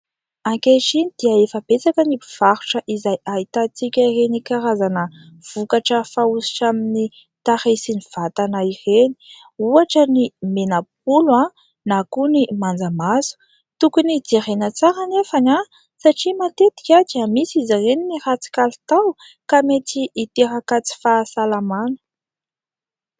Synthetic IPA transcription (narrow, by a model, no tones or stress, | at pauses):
aŋkeʈ͡ʂinid̪̥iəefəb̥et͡sakənibiv̥aɾuʈ͡ʂəʔizajait̪at͡sikʲəirenikaɾazanə | v̥ukaʈ͡ʂəfausi̥ʈ͡ʂamini | t̪aɾesiniv̥at̪anaireni̥ | uaʈ͡ʂənimenap̚ula | nakunimand͡zamazu̥ | t̪ukunid͡zeɾenət͡saɾanefana | saʈ͡ʂimat̪et̪i̥kʲat̪amisizareninirat͡si̥kalit̪aw | kamet͡siʔːt̪eɾakat͡si̥fasalamanə̥